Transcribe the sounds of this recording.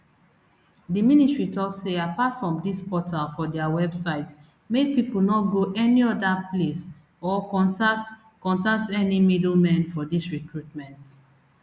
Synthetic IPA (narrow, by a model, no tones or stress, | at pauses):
diministɹitɔksːeapatfɹɔ̃mdispɔtʰalfɔdɛawɛbsaɪt | mepipul̩nɔt̚ɡoʔɛniɔdaples | ɔkɔ̃ntat | kɔ̃ntak̚tɛnimidl̩mɛ̃nfɔdisɹikɹutmɛ̃nt